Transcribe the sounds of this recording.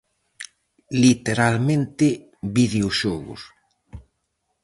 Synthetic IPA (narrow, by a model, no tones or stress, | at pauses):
lit̪eɾalmẽnt̪ɪ | βiðeoʃɔɣʊ̰s